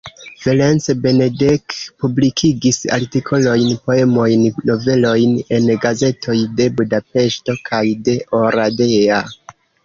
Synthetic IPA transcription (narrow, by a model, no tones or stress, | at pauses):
v̥elensbe̞nedekpublikʰiɡisa̰ɾtikʰo̞lo̞jnpo̞e̞mo̞jnːo̞ve̞lo̞jne̞nɡaze̞tʰo̞jde̞budape̞ʃto̞kʰajde̞ʔoɾadea